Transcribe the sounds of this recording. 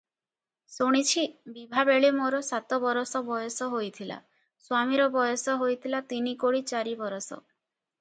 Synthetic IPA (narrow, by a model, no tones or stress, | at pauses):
soɽ̃it͡ʃʰibibʱabeɭemoɾɔsat̪ɔbɔɾɔsɔbɔjɔsɔɦojt̪ʰila̰ | swamiɾɔbɔjɔsɔɦojt̪ʰilat̪inikoɽit͡ʃaɾibɔɾɔsɔ̰